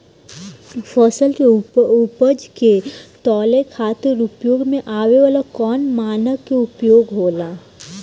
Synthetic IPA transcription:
fɔːsəlkeʊpəd͡ʒket̪ɔːlekʰaːt̪eɾʊpjoːɡmẽʔaːweʋaːlakɔːnmaːnəkːeʊpjoːɡɦoːlaː

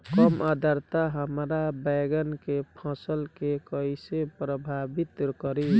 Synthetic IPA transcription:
kɔmad̪ʱəɾt̪aɦəmɾabɛɡənkepʰə̃səlkekəjsepɾəbʱabit̪ɾkəɾi

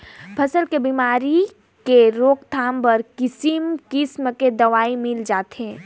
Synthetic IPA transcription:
pʰɐsəlkebiːmaːɾi | keɾoːkt̪ʰaːmbɐɾkɪsimkɪsmked̪ɐʋaːimɪld͡ʒaːt̪ɦɛ̃ː

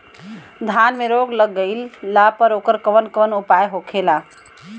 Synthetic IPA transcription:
d̪ʱanmeɾoɡləɡːəɪlːapəɾokəɾkəʋənkəʋənupajɦokʰela

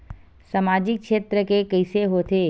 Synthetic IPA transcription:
samaːd͡ʒɪk̚kʃeːt̪ɾəkekəɪseɦoːt̪e

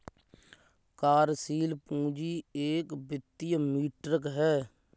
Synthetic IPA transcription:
kaːɾsiːlpũːd͡ʒiːeːkbɪt̪ːijmiːʈɾəkɦɛː

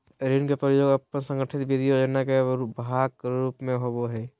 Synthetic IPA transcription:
ɾinkepɾəjoːɡəpːənsə̃ŋɡəʈʰɪt̪bid̪ʱijod͡ʒənːakebɦakkɾuːpmẽɦoboɦɛː

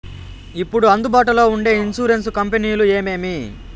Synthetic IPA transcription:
ipːuɽuɐnd̪ubaːʈ̬ulo̞ːuɳɖe̞ːinsuːɾe̞nskɐmpeniːjlue̞ːme̞ːmi

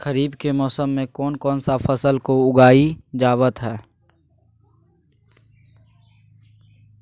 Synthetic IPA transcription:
kəɾiːbkemɔːsəmːẽkɔːnkɔːnsafəsəlkoʊɡaːid͡ʒaːwət̪ɦɛː

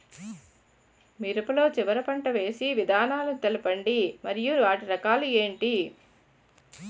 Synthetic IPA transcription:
miɾɐpɐlo̞ːt͡ʃiʋɐɾɐpɐɳʈɐʋe̞ːsiʋid̪ʱaːnaːlɐnt̪elɐpɐɳɖimɐɾijuʋaːʈiɾɐkaːlueːɳʈi

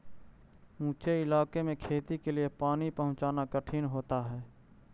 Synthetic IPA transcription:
ũːt͡ʃeɪlaːkemẽkʰeːt̪ikeliepaːnipəɦʊ̃nt͡ʃaːnakəʈʰinɦoːt̪aɦɛː

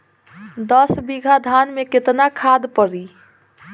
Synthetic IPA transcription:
d̪əsbiɡʱad̪ʱanmeket̪nakʰad̪pəɾi

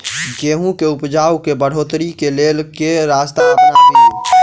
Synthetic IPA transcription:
ɡeːɦũkeʊpd͡ʒaːwkebəɽ̤oːt̪ɾikeleːlkeɾaːst̪aəpnake

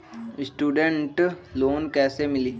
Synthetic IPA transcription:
sʈuːɖəɳʈloːnkɛːsemɪliː

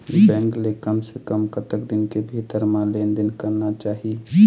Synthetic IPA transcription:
bɛ̃ːŋɡlekəmsekəmkət̪əkd̪ɪnkebʱiːt̪əɾmãlẽːnd̪ɪnkəɾnat͡ʃaːɦie

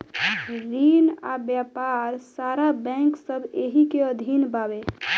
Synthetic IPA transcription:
ɾina̰bjapaɾsaɾabɛ̃ŋksəbʱeɦikeəd̪ʱinbabe

